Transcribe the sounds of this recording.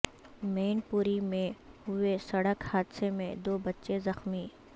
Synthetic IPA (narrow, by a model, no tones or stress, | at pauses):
meːnpuːɾimẽɦʊesɐɽəkhaːd̪semẽd̪oːbɐtːʃezɐxmiː